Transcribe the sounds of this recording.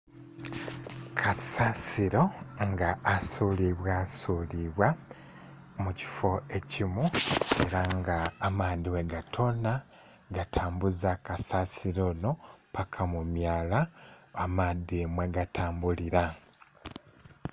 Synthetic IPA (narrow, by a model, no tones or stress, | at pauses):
kʰasasiɾo̞ŋɡaːsuːliβwaːsuːliβwa | muci̥fo̞e̞cimue̞ɾaŋɡaːmaːd̪iweɡatʰo̞na | ɡatʰaːmbuzakasasiɾo̞no̞pakʰamumjaːlaamaːdemweɡatʰaːmbuliɾa